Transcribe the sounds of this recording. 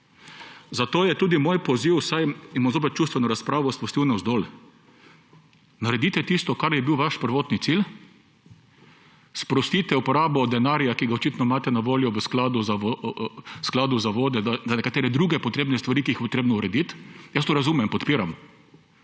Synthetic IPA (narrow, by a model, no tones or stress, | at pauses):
zat̪oːjɛt̪uːd̪imoːjpɔziwsajinmazop̬ɛt̪̚t͡ʃuːst̪ʋɛnɔɾaspɾaːʋɔspɾɔst̪iːwnɛzd̪ol | naɾɛd̪it̪ɛt̪ist̪ɔkaɾjɛbiwʋaʃpəɾʋoːt̪nit̪sil | spɾɔst̪it̪ɛupɔɾaːbɔd̪ɛnaɾjakiɡaɔt͡ʃit̪nɔimaːt̪ɛnaʋoːljɔʋəsklaːd̪ʊza | sklaːd̪ʊzaʋoːd̪ɛd̪azanɛkat̪eːɾɛd̪ɾuːɡɛpɔt̪ɾeːbnɛst̪ʋaɾiːkiixpɔt̪ɾeːbnɔuɾɛd̪it̪jɐst̪oɾazuːmɛmpɔt̪piːɾam